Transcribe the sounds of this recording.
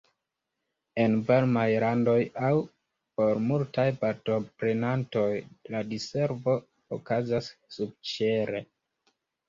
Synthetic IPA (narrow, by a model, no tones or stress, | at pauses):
e̞nvalmajɾando̞jaw | po̞ɾmultajpaɾto̞pɾe̞nanto̞jladise̞ɾvo̞ | okazasːub̚t͡ʃe̞ɾe̞